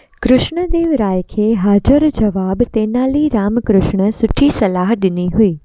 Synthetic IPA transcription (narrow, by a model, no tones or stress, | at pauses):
kɾʊʃɳ̃əd̪eːʋɾaːjkʰeːɦaːd͡ʒəɾd͡ʒɐʋaːbt̪eːnaːliɾaːmkɾʊʃɳəsʊʈʰisɐlaːɦɗɪniɦʊiː